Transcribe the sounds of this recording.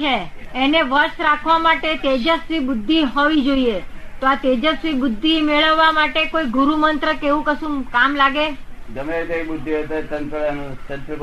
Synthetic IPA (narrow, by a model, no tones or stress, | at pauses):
eː | neʋəɾʃɾakʰʋamaʈet̪ed͡ʒəsɾibʊd̪ʱːiɦoʋid͡ʒoiet̪oat̪ed͡ʒəsɾibʊd̪ʱːimeɭəʋːamaʈekoiɡuɾumənt̪ɾəkeʋũkəsũmkamlaɡed͡ʒəmeɾd̪ekbʊd̪ʱːiot̪et̪ənt̪əɭanũsənt̪ɾi